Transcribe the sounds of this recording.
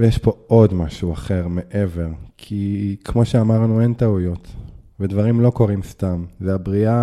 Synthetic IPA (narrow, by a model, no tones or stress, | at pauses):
vejeʃpo̞ʔo̞dmaʃuaχe̞ʁmeʔe̞ve̞ʁkʰikʰmo̞ʃeamaʁnue̞nt̪aujo̞tvedvaʁimlo̞ko̞ʁimst̪amveabʁia